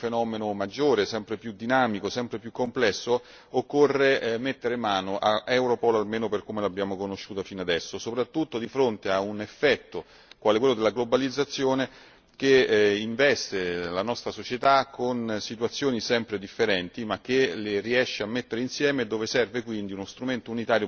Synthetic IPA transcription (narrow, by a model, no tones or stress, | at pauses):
fenɔːmenomad͡ʒːoːɾesɛmpɾepjud̪inaːmikosɛmpɾepjukːomplɛsːo | okːorːemet̪ːeɾemːaːnoʔaɛwɾopɔlalmeːnoperkomelabːjaːmokonoʃːuːt̪afinad̪ɛsːosopɾat̪ːut̪ːod̪ifɾont̪eaunefːɛt̪ːo | kwaːlekwelːod̪elːaɡlobalid̪zːat̪sːjoːne | k̟eiɱvɛst̪elanɔst̪ɾasot͡ʃet̪akʰːonsit̪wat̪sːjoːnisɛmpɾed̪ifːeɾɛnt̪imak̟ːeleriɛʃːeamːet̪ːeɾeinsjɛːmed̪ːoːvesɛrvekwind̪iunost̪ɾument̪ounit̪aːɾjo